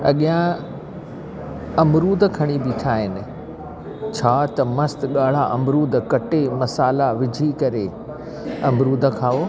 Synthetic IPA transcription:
ɐ̰ɠijã | ɐmɾuːd̪ʱəkʰɐɽ̃ibɪʈʰaːɦɪnɪ̆ | t͡ɕʰaːt̪ɐmɐst̪ɠaːɭ̤aʔɐmɾuːd̪ʱkɐʈemɐsaːlaʋɪd͡ʑʱikɐɾe | ɐmɾuːd̪ʱəkʰaːoː

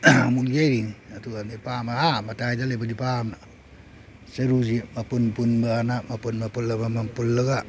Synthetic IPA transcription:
muld͡ʒajɾiŋatuanepamaamataidalebadipamna | səɾud͡ʒimapunpunbaanamapunmapulːamamampulːəɡaʔ

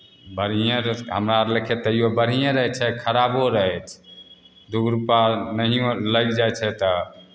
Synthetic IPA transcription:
bəɾ̤ijẽɾɦə̰mɾaɾlekʰet̪əjobəɾ̤ijẽɾəɦɛt͡ʃʰɛkʰəɾaboɾəɦɛt͡ʃʰ | d̪uɡɾupanəɦijoləɡd͡ʒajt͡ʃʰɛt̪ə

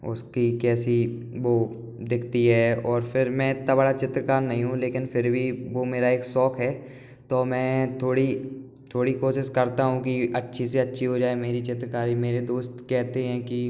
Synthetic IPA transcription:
ʊ̰skikɛːsi | ʋoː | d̪ɪkʰt̪iɦɛːɔːɾfʰɪɾmɛ̃ɪt̪nabɐɽat͡ʃɪt̪ɾəkaːɾnɐɦĩɦũleːkɪnfʰɪɾbʱiʋomeːɾaeːksɔːkɦɛː | t̪oːmɛ̃ːt̪ʰoːɽi | t̪ʰoːɽikoːʃɪʃkɐɾt̪aɦũkiɐtːʃʰiseɐtːʃʰiɦod͡ʒaːemeːɾit͡ʃɪt̪ɾəkaːɾimeːɾed̪oːst̪kɛɦt̪eɦɛ̃ːki

